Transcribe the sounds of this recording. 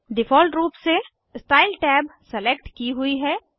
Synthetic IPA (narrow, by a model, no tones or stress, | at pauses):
ɖɪfʰɔːlʈɾuːpse | sʈaːɪlʈɛːbsɛlek̚ʈkiɦʊiɦɛː